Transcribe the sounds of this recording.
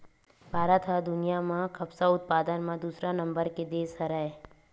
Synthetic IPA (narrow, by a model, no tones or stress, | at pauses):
bʱaːɾət̪ɦad̪ʊnijamãkɐbsaʊt̪̚paːd̪ənmãd̪uːsɾanɐ̃mbəɾked̪eːsɐɾəe